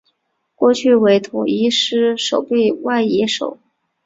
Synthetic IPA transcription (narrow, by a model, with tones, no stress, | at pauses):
kwɔ˥˧t͡ɕʰy˥˩we˧˥ɪt̪ʰʊ˨˩ŋi˧˥ʂɻ̩˥ʂo˨˩ʊpe˥˧ɪwa˥˩ɪɛ˧˥ʂo˨˩˦ʊ